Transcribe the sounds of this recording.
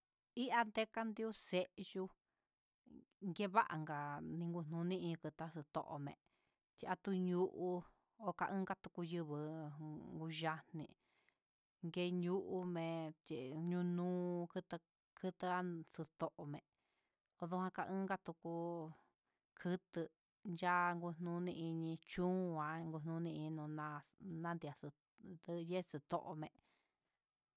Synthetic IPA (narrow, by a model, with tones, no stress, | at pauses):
i˦ʔa˧nd̪e˦ka˦nd̪i˦u˦se˦˧ʔʒu˧ | ŋɡe˦βa˦ʔa̰˨ŋɡa˨nĩ˧ŋɡu˧n̥nũ˧˦nĩ˦ĩ˧kɨ˧t̪a˧˦sɨ˧t̪o̰˨ʔo̰˨mḛ̃˨ | t̪i˧ʔa˧t̪u˧ɲu˦ʔu˧ | o˧ka˧ʔɨ̃˦ŋɡa˦t̪u˧ku˧jɨ˧βɨ˧ŋɡu˧ʒa˧n̥nḭ̃˧ | ŋɡe˧ɲu˦ʔu˧mẽ˧t͡ʃi˨ɲũ˧nũː˦˧kɨ˦t̪ɨ˧ | kʰɨ˦t̪ɨ˧a˦sɨ˧t̪o˧ʔo˨mẽ˨ | o˧ðu˧˦hã˧ka˧ʔɨ̃ː˦ŋɡa˦t̪u˧ku˧ | kʰɨ˦t̪ɨ˧ | nd͡ʒa˦˧ŋɡu˧n̥nũ˧˦˧nĩ˧i˧ɲĩ˧t͡ʃũ˦˧ã˧ŋɡu˧n̥ũ˦˧nĩ˧i˧ɲ˧nũ˧nã˧nã˦nd̪i˧a˨sɨ˧ | d̪ɨ˦˧je˦˧sɨ˧t̪o̰˧ʔo˧mẽ˧ʔ